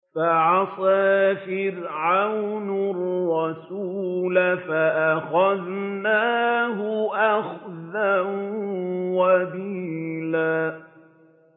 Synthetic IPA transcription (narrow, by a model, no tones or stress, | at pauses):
faʕɑsˤaːfɪɾʕawnʊɾˤɑsuːlafaʔaxaðnaːɦʊʔaxðan | wabiːlaː